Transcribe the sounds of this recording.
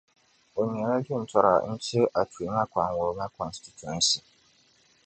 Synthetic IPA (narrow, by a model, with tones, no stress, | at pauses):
o˨ɲ˨ɛ̃˨ɾã˦dĩ˦˨n̩˨tʰɔ˦ɾa̰˨n̩˦t͡ɕʰɪ˦ʔa˨tʰu˨e˨mã˦kʷʰã˨nwʊ˨ɾmã˦kʰɔ̃˨nstʰi˨tʰu˨ɛ̃˦nsi˨